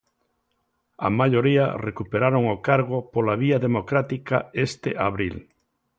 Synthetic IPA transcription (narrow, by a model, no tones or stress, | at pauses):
a̰maʎoɾia̰rekupeɾaɾoŋokaɾɣopolaβ̞iaðemokɾat̪ikaest̪eʔaβɾḭl